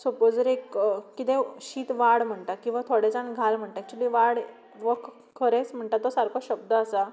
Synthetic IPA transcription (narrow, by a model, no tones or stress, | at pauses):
sopod͡zəɾekkːit̪ẽɕiːt̪ʋaɽm̤əɳt̪akĩw̃ʋat̪ʰoɽed͡zanɡʱalm̤əɳʈ̪ak̚t͡ɕid̪iʋaɽ | ʋəkʰ | kʰːəɾet͡sm̤əɳʈ̪at̪ːɔsaɾkəɕəb̚d̪əːsa